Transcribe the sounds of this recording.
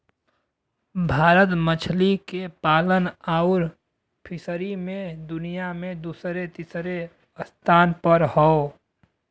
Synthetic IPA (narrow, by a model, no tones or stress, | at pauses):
bʱaːɾət̪mət͡ʃʰlikepaːlənaʊɾ | pʰɪsəɾimẽd̪ʊnijamẽd̪uːsɾet̪isɾe | əst̪ʰaːnpəɾhɔ